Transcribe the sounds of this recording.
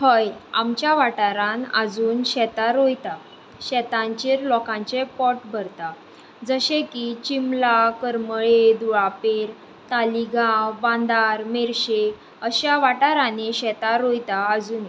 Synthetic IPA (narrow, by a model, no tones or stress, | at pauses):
həja̰mt͡ɕjaʋaʈaɾãnə̰d͡zuːnɕɛt̪aɾojt̪a | ɕɛt̪ãɲt͡ɕiɾlɔkãɲt͡ɕepɔʈbʱəɾt̪a | d͡zəɕekit͡ɕimlakəɾməɭed̪uɭapeɾ | t̪aliɡãbãnd̪aɾmeɾɕe | əɕjaʋaʈaɾãneɕɛt̪aɾojt̪aəd͡zuːne